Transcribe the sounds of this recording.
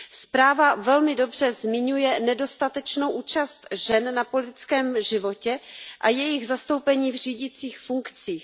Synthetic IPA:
spɾaːvavɛlmɪdo̞br̝̥ɛzmɪɲujɛnɛdo̞st̪at̪ɛt͡ʃnowʔuːt͡ʃast̪ʒɛnnapo̞lɪt̪ɪt͡skɛːmʒɪvo̞cɛʔajɛjɪɣzast̪o̞wpɛɲiːvr̝iːɟɪt͡siːxfuŋkt͡siːx

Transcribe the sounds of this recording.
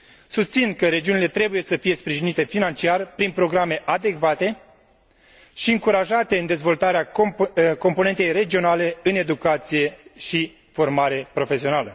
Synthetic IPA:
sust̪sinkəɾe̞d͡ʒiunile̞t̪ɾe̞buje̞səfije̞spɾiʒinit̪e̞finant͡ʃiarpɾinpɾo̞ɡɾame̞ʔad̪e̞kvat̪e̞ | ʃiɨŋkuɾaʒat̪e̞ɨnd̪ezvo̞lt̪aɾea | ko̞mpo̞ne̞nt̪ejre̞d͡ʒio̞nale̞ɨne̞d̪ukat̪sije̞ʃi | fo̞rmaɾe̞pɾo̞fe̞sio̞nalə

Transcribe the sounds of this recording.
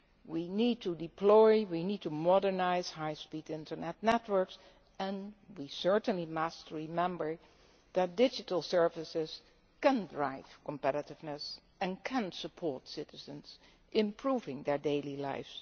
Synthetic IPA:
winid̚tʰudɪpʰlɔɪwinid̚tumɔdəɹnaɪz̥haɪspitdɪ̃ntə˞nɛtnɛtwə˞ks | ɛ̃nwisɜ˞tə̃n̩limʌstɹimɛ̃mbə˞ | ðɨt̚d̥ɪd͡ʒɨtəl̩ˠsɜ˞vɨsɪz̥ | kɛ̃ndɹaɪv̥kɔ̃mpɛɾɨtɪvnɨs | ɨ̃nkʰɨ̃nsəpʰɔɹtsɪɾɨzə̃nz | ʔɪ̃mpʰɹuvɪ̃ŋðɛ˞deɪlila̰ɪfs

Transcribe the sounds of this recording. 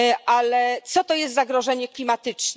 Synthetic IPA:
ʔalɛt̪sɔt̪ɔjɛst̪zaɡɾɔʐɛɲɛklʲimat̪ɘt͡ʂn

